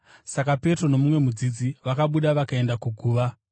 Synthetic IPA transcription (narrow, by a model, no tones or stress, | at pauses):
sakape̞tro̞no̞mumwe̞mud͡zid͡ziʋakaɓuɗaʋakae̞ndakuɡʱuːʋa